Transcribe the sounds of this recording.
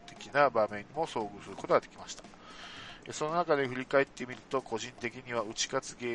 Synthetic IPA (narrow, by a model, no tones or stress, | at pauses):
t̪e̞kʲinabamẽ̞ɲ̟ːimo̞so̞ːɡɯ̟sɨɾɯ̟ko̞t̪oɡad̪e̞kʲimaɕi̥t̪ḁ | so̞no̞nakad̪e̞ɸɯ̟ɾʲikae̞t̪ːe̞mʲiɾɯ̟t̪o̞kʰo̞ʑĩnt̪e̞kʲiɲ̟iβ̞aɯ̟t͡ɕi̥kat͡sɨɡe̞ː